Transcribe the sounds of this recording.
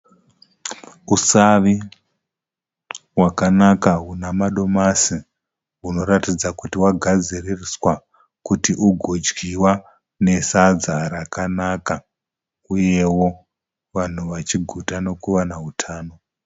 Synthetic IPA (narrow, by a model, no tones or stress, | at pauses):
usaʋi | wakanakaɦunamaɗo̞masi | ɦuno̞ratid͡zakutiwaɡʱad͡ziririswa | kutiʔuɡʱod͡ʒɡiwa | ne̞sad͡zaɾakanaka | uje̞wo̞ | ʋan̤uʋat͡ʃiɡʱutano̞kuʋanautʰaːno̞